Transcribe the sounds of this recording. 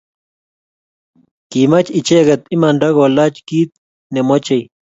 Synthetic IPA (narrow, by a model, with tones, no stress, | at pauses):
ki˨ma˦t͡ʃi˨t͡ʃe˦ɡa˨t̪i˦ma˨nɖa˦ɡo˨la˦t͡ʃki˦t̪̚ | ne˨mo˦t͡ʃe˨j